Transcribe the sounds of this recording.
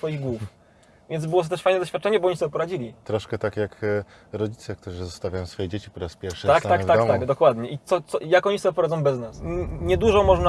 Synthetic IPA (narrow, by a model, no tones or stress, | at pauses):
fɔjiɣɡwuf | vʲjɛnzbɘwɔt̪ɔt̪ɛʂfajnd̪ɔɕfʲat̪̚t͡ʂɛɲɛbɔɔɲisɔbʲɛpɔɾad͡ʑilʲit̪ɾɔʂkɛt̪akjak | ɾɔd͡ʑit̪sɛk̚t̪uʐɨzɔst̪avʲjajɔ̃sfɔjɛd͡ʑet͡ɕipɔɾaspʲjɛɾfʂʂɨak̪akktvad̪ɔt̪aɡɡd̪ɔkwad̪ɲɛʔit̪sɔt̪sɔjakɔɲisɔbʲɛpɔɾad̪zɔ̃w̃bɛznasɲɛd̪uʐɔmɔʐna